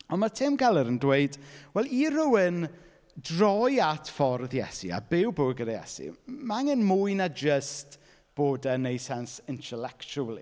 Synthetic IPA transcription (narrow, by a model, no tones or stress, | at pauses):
ɔnmatʰɪmɡalˠəɾəndweɨd̥wɛlˠiɾʊwɪn | drɔjatʰfɔrðjɛ̰sḭa̰bɪwboɡədajɛ̰sḭmaŋənmʊɨnad͡ʒəst | b̥oːdənejsɛnsɪntʰɛlɛkt͡ʃulˠḭ